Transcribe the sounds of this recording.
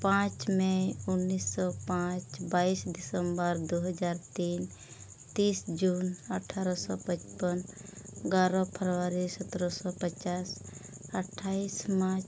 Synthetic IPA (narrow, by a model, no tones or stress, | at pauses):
pãt͡ʃmẽʊnːisːɔpãt͡ʃbaisɖɪsəmbəɾd̪oɦəd͡ʒaːɾt̪iːn | t̪iːsd͡ʒunəʈʰaːɾɔsɔ̰pət͡ʃpənɡaɾɔpʰəɾwaɾisət̪ɾɔsɔpət͡ʃaːs | əʈʰːaismat͡ʃ